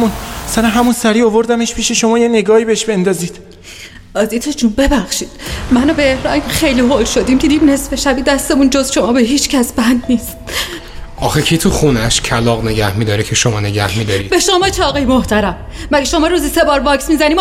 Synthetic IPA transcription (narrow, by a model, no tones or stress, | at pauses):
munsæɾænɦæmunsæɾiːovo̞ɾd̪æmeʃpʰiːʃe̞ʃo̞mɒːjene̞ɡɒːhiːbeeʃbe̞nd̪ɒːziːd̪̥ | ɒːzit̪ʰed͡ʒunbe̞bæxʃiːd̪̥mænobeːhɾɒːjimxejliːɦolʃo̞d̪iːmcʰed̪iimne̞sfeʃæbiːd̪æst̪e̞mund͡ʒozʃo̞mɒːbeɦiːt͡ʃʰcʰæsbænd̪niːst̪̚ | ʔɒːxekʰit̪ʰuxunæʃcʰælɒɣne̞ɟæhmid̪ɒːɾecʰeʃomɒːne̞ɟæ̰hmid̪ɒɾḭːbeʃomɒːt͡ʃʰeɒːɣɒjmoht̪ʰæɾæmː | æɡeʃo̞mɒːɾuːzise̞bɒːɾbɒːksmiːzæniːm